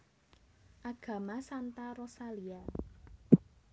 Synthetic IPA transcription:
ʔaɡ̥ä̤masant̪aɾɔsalia

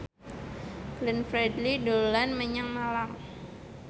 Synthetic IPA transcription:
ɡ̥lənfɾɛdlidolanməɲaŋmalam

